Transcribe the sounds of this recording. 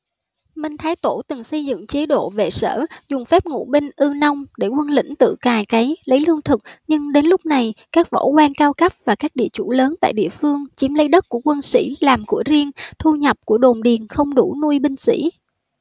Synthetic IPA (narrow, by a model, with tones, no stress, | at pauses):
mï˧˩ŋ̟t̪ʰaː˨˦jt̪o˧˩t̪ɨ˨˩ŋsə˧jzɨ̰˧˨ŋt͡ɕe˨˦ɗo̰˧˨vḛ˨˩sə̰ː˧˩zʊ˨˩ŋ͡mfɛ˦˥p̚ŋṵ˧˩ɓi˧ŋ̟ʔɨ˧nə˧wŋ͡mɗe˧˩kwə˧nlḭ˧˥ŋ̟t̪ɨ̰˧˨kaː˨˩jka˨˦jlə˨˦jlɨ˧əŋt̪ʰɨ˨˩k̚ɲɨ˧ŋɗe˨˦nlʊ˦˥k͡p̚na˨˩jkaː˦˥k̚vo̰˧˥kwaː˧nkaː˧wkə˦˥p̚vaː˨˩kaː˦˥k̚ɗḭ˧˨ət͡ɕu˧˩ləː˨˦nt̪a̰ː˧˨jɗḭ˧˨əfɨ˧əŋt͡ɕi˨˦mlə˨˦jɗə˦˥t̚ku˧˩əkwə˧nsḭ˧˥laː˨˩mku˧˩əzi˧əŋt̪ʰu˧ɲə˨˩p̚ku˧˩əɗo˨˩mɗi˨˩ənxə˧wŋ͡mɗu˧˩nu˧jɓï˧ŋ̟sḭ˧˥